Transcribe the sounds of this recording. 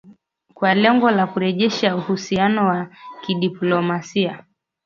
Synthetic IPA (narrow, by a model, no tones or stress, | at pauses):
kwalɛŋɡɔlakuɾɛʄɛʃauhusianɔwakiɗiplɔmasia